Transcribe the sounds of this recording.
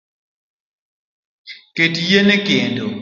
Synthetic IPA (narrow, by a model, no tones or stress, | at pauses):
ketjenekendo